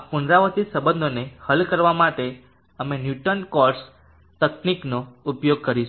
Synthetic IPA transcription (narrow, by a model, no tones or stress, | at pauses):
pʊɳɾaʋət̪isəbə̃nd̪ʱonehəlkəɾʋamaʈe | əmenjuʈənkɔɾs | t̪əkniknoupjoɡ̚kəɾiʃ